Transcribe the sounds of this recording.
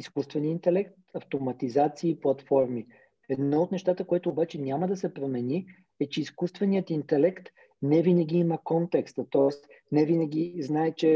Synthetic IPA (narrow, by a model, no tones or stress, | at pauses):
iskust̪vɛniəint̪ɛlɛkt̪ɐft̪omɐt̪izat̪siːplˠɐt̪fɔɾmi | ɛd̪nɔot̪nɛʃt̪at̪əkoɛt̪oːbat͡ʃɛnʲaməd̪ɐsɛpɾomɛni | ɛt͡ʃɛiskust̪vɛnijət̪int̪ɛlɛkt̪ | nɛvinɐɡ̟ʲiiməkɔnt̪ɛkst̪ət̪ɔɛst̪ | nɛvinəɡʲiznaɛt͡ʃɛ